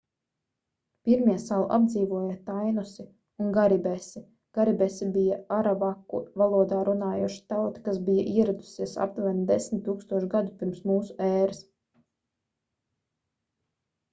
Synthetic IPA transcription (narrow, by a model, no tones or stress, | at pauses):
piɾmiɛsalˠuʔa̰b̚d̪ziːvuɔjat̪ajnusi | unɡaɾibɛsi | ɡ̥aɾibɛsibijaaɾabakːṵvalˠuɔd̪aːɾunaːjuɔʃi̥t̪awt̪i̥kasbija̰ʔiɛɾad̪u̥siɛsa̰p̚t̪vænd̪esmʲt̪ːuːkst̪uɔʃɡad̪upiɾmsmuːsu̥ɛːɾɨs